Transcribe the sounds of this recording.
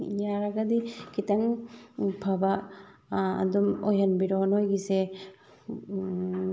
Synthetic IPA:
ijaɾaɡadikʰitaŋ | pʰaba | a̰dumɔjanbiɾɔnɔjɡise

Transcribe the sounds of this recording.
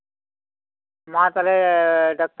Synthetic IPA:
mat̪aleɖak̚ʈ

